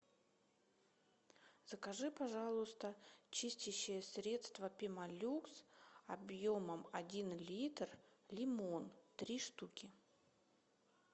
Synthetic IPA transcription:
z̥əkɐʐɨpɐʐalˠʊst̪ət͡ɕisʲtʲɪɕːɪjəsʲɾʲe̞t̪st̪vəpʲɪmɐlʲuksɐbjoməmɐdʲinlʲit̪rlʲɪmont̪ɾʲiʂt̪ukʲɪ

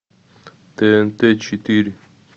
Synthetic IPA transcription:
t̪ent̪et͡ʃʰit̪iɾi

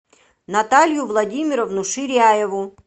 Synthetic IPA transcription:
nɐt̪alʲjʊvlˠɐdʲimʲɪɾɔvnʊʂɪɾʲajɛvʊ

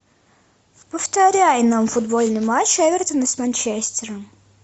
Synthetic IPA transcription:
pəft̪ɐɾʲæjnɐmfʊd̪bolʲnɨjmat͡ɕːɛvʲɪrt̪ənəsʲmɐnʲt͡ɕesʲt̪ʲɪɾəm

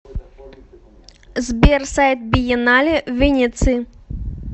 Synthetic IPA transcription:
zbʲersajt̪̚bʲijɛnalʲɛvʲinʲit̪sɨ

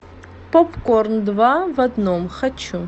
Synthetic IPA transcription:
popkornd̪vavɐd̪nomxɐt͡ɕu

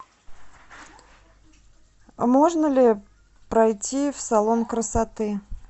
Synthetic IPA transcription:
moʐnəlʲɪ | pɾɐjtʲifsɐlˠo̞nkɾəsɐt̪ɨ

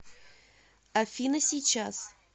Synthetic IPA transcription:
ɐfʲinəsʲit͡ɕas

